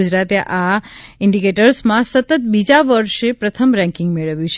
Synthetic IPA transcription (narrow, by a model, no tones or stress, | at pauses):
ud͡ʒɾat̪ʔaɪɳɖikeʈəɾsmãsət̪ət̪̚bid͡ʒaʋəɾʃepɾət̪ʰəmɾɛ̃ŋkɪ̃ŋɡmeɭəʋjũt͡ʃʰ